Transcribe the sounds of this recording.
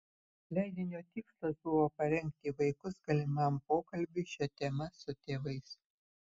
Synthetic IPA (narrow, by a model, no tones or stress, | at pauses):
lʲæˑɪd̪ʲɪnʲoːt̪ʲɪkslˠɐsbʊʋoːpɐɾʲɛŋʲˑk̚t̪ʲiːʋɐɪkʊsɡɐlʲɪmɐmpoːkɐlʲbʲɪʃʲɛt̪ʲɛmɐsʊt̪ʲeːʋɐɪs